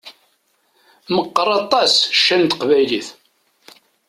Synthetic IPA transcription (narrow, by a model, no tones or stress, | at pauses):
məqːɾˤɑt̪ˤɑsʃːænt̪qvæjliθ